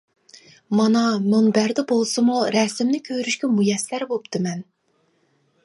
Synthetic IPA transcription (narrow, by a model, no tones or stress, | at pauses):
mɑnɑmuŋbæɾd̪ɪbolˠsɨmuɾɛsɪmnɪkʲʰøɾyʃkʲɛmujɛslæɾbopt̪ʰɨmɛn